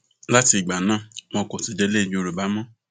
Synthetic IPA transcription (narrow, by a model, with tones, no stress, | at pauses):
la˦ti˧˨ɡ͡ba˨nãː˦˨mɔ̃˧kɔ˨ti˨d͡ʒɛ˧˦le˦i˨d͡ʒu˨˦˧ɾo˨ba˨˦mɔ̃˦